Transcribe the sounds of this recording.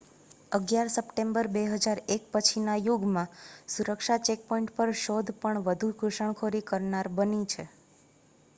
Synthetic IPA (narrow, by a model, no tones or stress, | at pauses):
əɡjaɾsəpʈembəɾbeɦəd͡ʒaɾek̚pət͡ʃʰinajuɡmãsuɾəkʃat͡ʃek̚pɔiɳʈpəɾʃod̪ʱpəɳʋəd̪ʱukuʃəɳ̃kʰoɾikəɾnaɾbənit͡ʃʰe